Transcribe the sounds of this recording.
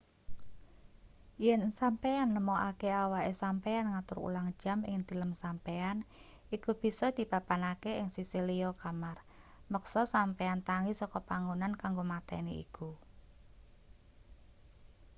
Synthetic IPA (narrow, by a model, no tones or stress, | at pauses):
jɛnsampeanːəmɔʔakeawaʔesampeanŋat̪ʊɾṵlaŋd̥ʒ̥a̤mɪ̰ŋd̪i̤ləmsampean | ikub̥i̤sɔd̪̥i̤papanakeɪŋsisiliɔkamar | məksɔsampeant̪aŋisɔkɔpaŋonankaŋɡomat̪ɛ̰neḭku